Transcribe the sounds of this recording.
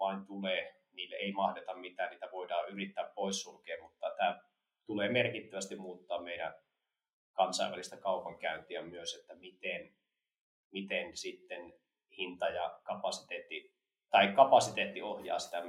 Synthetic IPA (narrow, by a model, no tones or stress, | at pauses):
ɑint̪uleː | niːlːḛeimɑhdet̪ɑmmit̪æːnniːt̪æʋoidɑːyrit̪ːæːppoissulkeːmut̪ːɑt̪æː | t̪uleːmerkit̪ːæʋæst̪immuːt̪ːɑːmmeiɾæ̰n | kɑnsɑ̰ˑḭʋæ̰list̪ɑkɑupɑŋkæynt̪iæmyøset̪ːæmit̪en | mit̪ensit̪ːen | hint̪ɑjɑkɑpɑsit̪eːt̪ːi | t̪ɑikkɑpɑsit̪eːt̪ːiohjɑ̰ːsi̥t̪æ